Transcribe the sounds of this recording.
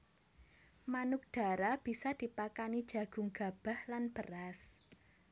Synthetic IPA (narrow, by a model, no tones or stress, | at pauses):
manʊk̚d̪̥a̤ɾab̥i̤sad̪̥i̤pakanid̥ʒ̥a̤ɡ̥ʊ̤ŋɡ̥a̤b̥a̤hlanb̥əras